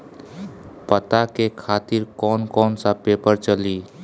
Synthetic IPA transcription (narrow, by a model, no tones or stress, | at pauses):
pət̪akekʰat̪iɾkɔnkɔːnsãpepəɾt͡ʃəli